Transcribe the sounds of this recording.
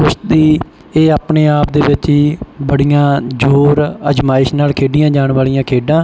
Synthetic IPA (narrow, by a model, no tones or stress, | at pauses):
ʊʃd̪iː | eːaːpneːaːpd̪eːʋɪt͡ʃiːbəɽijãːd͡ʒoːɾəd͡ʒmaːɪʃnaːlkʰeːɖɪjãːd͡ʒaːɳʋaːlɪjãːkʰeːɖãː